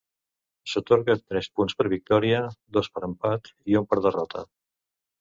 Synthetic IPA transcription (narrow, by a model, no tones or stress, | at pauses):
sət̪oɾɣət̪ɾɛspunspəɾβik̚t̪ɔɾiəd̪ospəɾəmpat̪iumpəɾðərɔt̪ʰə̰